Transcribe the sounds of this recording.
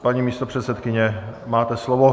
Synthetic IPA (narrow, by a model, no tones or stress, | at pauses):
paɲiːmiːst̪opr̝̥ɛt̪sɛt̪kɪɲɛmaːt̪ɛslovo